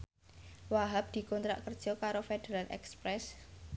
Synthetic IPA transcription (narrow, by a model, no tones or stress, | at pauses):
waɦap̚d̪̥i̤kɔnt̪ɾa̰ʔkərd̥ʒ̥ɔ̤kaɾofed̪̥eɾalʔɛ̰kspɾɛs